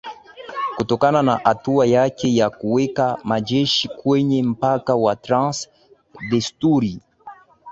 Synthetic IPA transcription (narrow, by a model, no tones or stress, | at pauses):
kutɔkanana̰ʔatuajakejakuwɛkamad͡ʒɛʃikwɛɲem̩pakawat̪ɾãs | d̪ɛstuɾi